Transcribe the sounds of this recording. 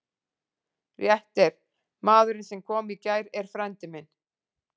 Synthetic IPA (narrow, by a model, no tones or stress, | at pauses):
rjɛht̪ɛɾ̥ | maːðʏɾɪnsɛmkʰɔːmicaːjɾɛɾ̥fɾɛnt̪ɪmɪn